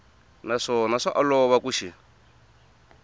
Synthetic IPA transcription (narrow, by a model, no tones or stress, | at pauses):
naʂɔnaʂaʔalɔβakuʃi